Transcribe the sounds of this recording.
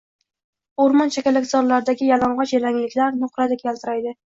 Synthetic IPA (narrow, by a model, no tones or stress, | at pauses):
oɾmɒnt͡ʃʰakʲalakʲzɒɾlaɾɪd̪aɡʲɪjalɒɴʁɒt͡ʃeɾaŋlɪkʲlaɾnʊχɾad̪ekʲjʲʰalˠt̪ʰɪɾajd̪ɪ